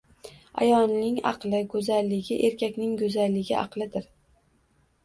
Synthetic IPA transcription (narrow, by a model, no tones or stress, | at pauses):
a̰jɒnnɪŋɑ̰qlˠɪɡɵzalːɪɡʲɪʔe̞ɾkʲʰakʲnɪŋɡɵzalːɪɡʲɪɑ̰qlˠɪd̪ɪɾ